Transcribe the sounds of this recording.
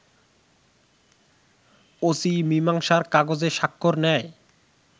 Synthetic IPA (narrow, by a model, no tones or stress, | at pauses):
osimimaŋʃaɾkaɡod͡ʑeʃakʰːoɾnɛj